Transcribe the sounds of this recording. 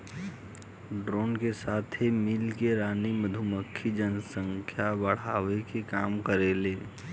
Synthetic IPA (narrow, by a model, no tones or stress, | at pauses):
ɖɾoːnkesaːt̪ʰemilkeɾaːniməd̪ʱuməkʰːid͡ʒənsə̃ŋkʰjabəɽ̤aːʋekekaːmkəɾeːleː